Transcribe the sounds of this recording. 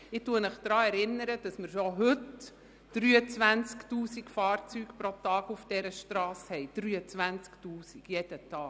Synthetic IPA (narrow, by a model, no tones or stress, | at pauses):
ɪtuəmɪχd̥̪ɾɑːɛɾɪnːəɾəd̥ɑsmɪɾʃɔɦɵt | d̥ɾyːət͡sʋænt͡sktuːsikfɑːɾt͡syːkpɾoɔtɑːɡufd̥ɛɾəʃtɾɑːshɛɪd̪̥ɾyːət͡sʋænt͡sktuːsiɡ̥jɛd̥ətɑː